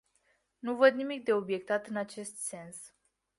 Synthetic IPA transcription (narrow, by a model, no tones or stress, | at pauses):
nuvəd̪̚nimik̚d̪e̞o̞bje̞k̚t̪at̪ɨnat͡ʃe̞st̪se̞ns